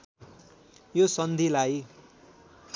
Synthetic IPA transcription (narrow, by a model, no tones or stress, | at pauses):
josʌnd̪ʱilaj